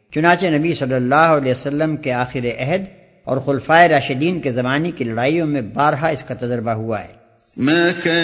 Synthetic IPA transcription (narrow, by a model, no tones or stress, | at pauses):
t͡ʃʊnãːt͡ʃenɐbisɐlːəlːaːɦɐlɛːsɐlːəmkeaːxɪɾeʔɛɦəd̪ | ɔ̰ːɾxʊlfaːeɾaːʃɪd̪iːnkezɐmaːnekilɐɽaːijõmẽbaːɾɦaɪskat̪ɐd͡ʒɾbaɦuaɦɛ̰ː | mɛ̃ːkɛ